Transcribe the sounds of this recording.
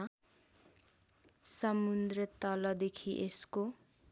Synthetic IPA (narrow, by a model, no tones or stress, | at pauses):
sʌmund̪rʌt̪ʌlʌd̪ekʰiʔesko